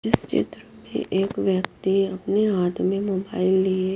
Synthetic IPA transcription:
ɪst͡ʃɪ̰t̪ɾəmḛ̃ʔeːkʋjəkt̪iɐpneaːt̪ʰmẽmoːbaːɪlːie

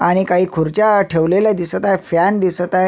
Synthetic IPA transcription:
aɽ̃ikaɦiːkʰuɾt͡ɕjaʈʰeʋlelad̪isət̪ajfand̪isət̪aj

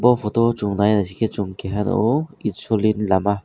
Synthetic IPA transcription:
bɔpʰɔt̪ot͡ʃuŋnajnasiket͡ʃuŋkeɦano̰itsolinlama

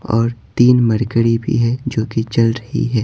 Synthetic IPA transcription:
ɔːɾt̪iːnmɐɾkəɽibʱḭɦɛd͡ʒoːket͡ʃɐlɾɐɦḭɦɛː

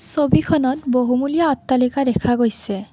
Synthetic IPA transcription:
sobikʰɔnɔtboɦumulijaɔt̪ːalikadɛkʰaɡojsɛ

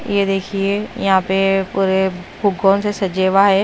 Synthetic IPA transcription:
ɪ̰ɦed̪eːkʰiejɐ̰ɦãpepuːɾebʱʊɡoːnsesɐd͡ʒeːʋaːɦeː

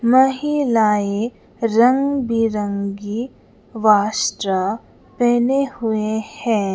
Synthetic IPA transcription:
mɐɦilaːe | ɾɐ̃ŋɡbʱiɾə̃ŋɡi | ʋaːsʈɾə | pɛːnehʊehɛ̃ː

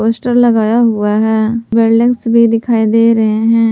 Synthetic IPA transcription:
oːsʈəɾləɡaːjaɦʊaɦɛːbeːlɖɪ̃ŋsbʱid̪ɪkʰaːid̪eːɾəɦeɦɛ̃ː

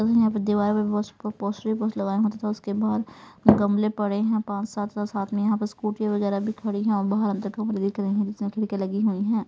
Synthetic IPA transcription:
t̪jɐɦãpɐɾd̪ɪʋaːɾpɐbɔːppɔːsɾipɔːslɐɡaːeɦoːt̪at̪ʰɛʊskebaːdɾ | ɡɐmlepɐɽeɦɛ̃pãːt͡ʃsaːt̪ʰasaːt̪ʰmẽjɐɦãpɐɾskuːʈjaʋɐɣɛːɾabʱikʰɐɽiɦɛ̃ɔːɾbaːɦəɾɦɐmt̪ɐkːɐpɾed̪ikɐɾẽɦɛ̃d͡ʒɪt̪nẽkʰɪɽkelɐɡiɦuiɦɛ̃ː

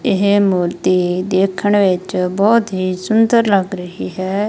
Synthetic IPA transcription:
ɪɦmuːɾt̪iːd̪eːkʰəɳʋɪt͡ʃbɔːt̪ɦiːsʊnd̪əɾləɡɾəɦiːɦɛː

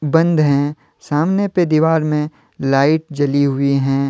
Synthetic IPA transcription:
bɐ̃nd̪ɦɛ̃ | saːmneped̪iːʋaːɾmẽ | laːɪʈ̚d͡ʒɐliɦʊiɦɛ̃ː

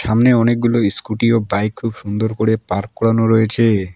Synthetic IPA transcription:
ʃamneɔnek̚ɡuloiskuʈiobajkʰːubʃund̪oɾkoɽepaɾkkɔɽanoɾɔjet͡ɕʰe

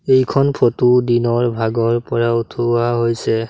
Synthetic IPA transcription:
ejkʰɔnpʰotudinɔɹbʱaɡɔɹpɔɹautʰoaɦojsɛ

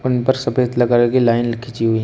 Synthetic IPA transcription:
ʊnpɐɾsɐpeːd̪lɐɡaːɾeɡilaːɪnlɐkʰit͡ʃiɦui

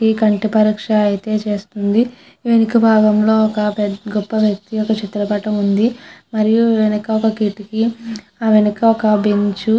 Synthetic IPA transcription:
ikɐɳʈipɐɾiːkʂɐɐjt̪e̞ːt͡ʃe̞ːst̪und̪i | ʋenikɐbʱaːɡɐmlo̞ːɔkɐpɛɡɔpːɐʋjɐk̚t̪iɔkɐt͡ʃit̪ulɐpɐʈɐmund̪imɐɾijuʋenɐkɐɔkɐkiʈiki | aːʋenɐkɐɔkɐbeɲt͡ʃu

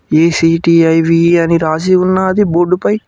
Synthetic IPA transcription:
eːsiːʈiːɐjʋiɐniɾaːs̬iunːaɐd̪iboːɖupɐj

